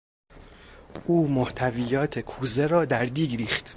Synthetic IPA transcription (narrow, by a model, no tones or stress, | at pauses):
ʔuːmoht̪ʰæviːjɒːt̪ʰekʰuːzeɾɒːd̪æɾd̪iːɡɾiːχt̪